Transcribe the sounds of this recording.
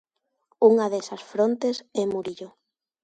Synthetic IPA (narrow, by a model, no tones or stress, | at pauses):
uŋɐðɛsɐsfɾont̪esɛmuɾiʎo